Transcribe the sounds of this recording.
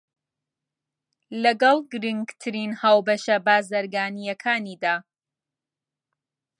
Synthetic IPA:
lɐɡɐlˠɡɨɾɨŋɡt̪ʰɨɾinhaːwbɐʃɐbaːzɐɾɡaːnijɐkʰaːniːd̪aː

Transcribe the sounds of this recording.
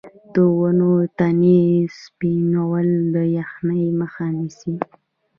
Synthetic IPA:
d̪̥əwənot̪anespinawald̪əjaxnəjməxanisi

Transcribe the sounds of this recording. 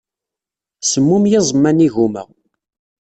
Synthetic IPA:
səmːumjɪzˤmːæniʝumə̰ʁ

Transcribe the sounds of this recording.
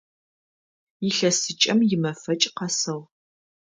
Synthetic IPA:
jɪɬɐsɨt͡ʃʼɐmjɪmɐfɐt͡ʃʼqɐsɐʁ

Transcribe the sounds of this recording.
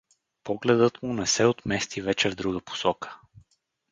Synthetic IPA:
pɔɡlɛd̪ɤt̪munɛsɛot̪mɛst̪ivɛt͡ʃɛvd̪ɾuɡəpʊ̥sɔkə̥

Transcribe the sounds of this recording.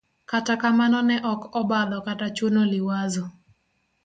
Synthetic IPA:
katakamanɔnɛʔɔkɔbad̪ɔkatat͡ʃonolɪwazɔ

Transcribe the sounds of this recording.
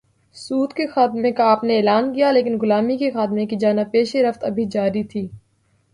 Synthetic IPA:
suːt̪kexaːt̪mẽkaːpneeːlaːnkijaleːkɪnɡʊlaːmikexaːt̪mẽkid͡ʒaːnapeːʃeɾɐft̪ɐbʱid͡ʒaːɾit̪ʰiː

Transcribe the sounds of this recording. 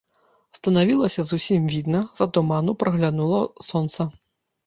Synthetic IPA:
st̪ɐnavʲilˠɐsʲɐzusʲimvʲid̪nɐzɐt̪ɔmanupɾɐɣlʲanulˠɐsɔnt̪sɐ

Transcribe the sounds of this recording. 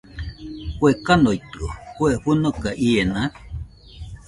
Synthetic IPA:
kʷekanojt̪okweɸunokaʔienak

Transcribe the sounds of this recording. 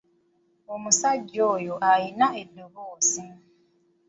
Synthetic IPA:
omusaɟːoːjo̞ʔajinaedːo̞βoːzi

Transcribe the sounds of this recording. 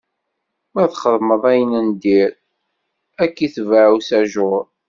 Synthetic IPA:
mæθχəðˤməðˤæjənənd̪iɾ | ækːiθvəʕusæʒʊɾˤ

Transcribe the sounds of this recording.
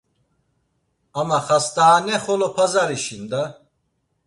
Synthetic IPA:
amaχast̪aːnɛχɔlɔpʰazaɾiʃind̪a

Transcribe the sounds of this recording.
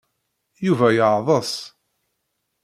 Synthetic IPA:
juvæjəʕðˤəsˤ

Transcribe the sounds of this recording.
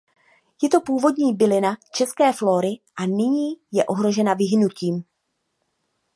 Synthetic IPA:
jɛt̪o̞puːvo̞dɲiːbɪlɪnat͡ʃɛskɛːflo̞ːɾɪʔanɪɲiːjɛʔo̞ɦɾo̞ʒɛnavɪɦɪnuciːm

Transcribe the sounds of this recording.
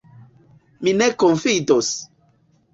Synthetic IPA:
minekonfidos

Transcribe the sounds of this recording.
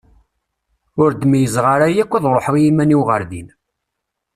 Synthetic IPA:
ʊɾd̪əmijəzʁaɾajækʷːiðˤɾˤoħʁjimæniwʁəɾðḭn

